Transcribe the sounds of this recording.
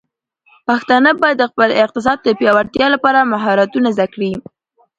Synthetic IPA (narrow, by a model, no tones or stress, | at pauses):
paxt̪ɑnəbɑjad̪ːəxpəlɪq̚t̪ɪs̬ɑd̪̚d̪əpjɑwaɾt̪jɑlapɑɾamaɦɑɾat̪unazd̪akɽi